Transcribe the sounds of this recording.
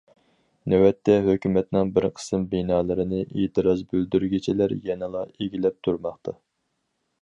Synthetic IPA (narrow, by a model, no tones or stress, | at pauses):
nɛwɛt̪ʰːɛɦøkʲymɛt̪nɪŋbɪɾqʰə̥sɨmbenɑːlˠɨɾɨnɨʔeːt̪ʰɨɾɑzbøld̪yɾɡʲit͡ʃʰilæɾjɛnɛlˠɑeɡʲilɛp̚t̪ʰuɾmɑχt̪ʰɑ